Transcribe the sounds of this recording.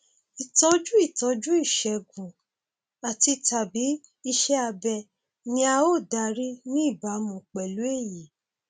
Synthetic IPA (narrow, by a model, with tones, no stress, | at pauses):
i˨tɔ˧˦d͡ʒu˦i˦˨tɔ˨˧d͡ʒu˦i˦˨ʃɛ˧ɡũ˨ | a˨ti˧ta˨bi˨˦ | i˧ʃɛ˦a˧bɛ˧ | nĩ˧˦a˧o˦˨da˧ɾi˦nĩ˦i˦˨ba˨˦mũ˨k͡pɛ˨lu˨˦e˦˨ji˨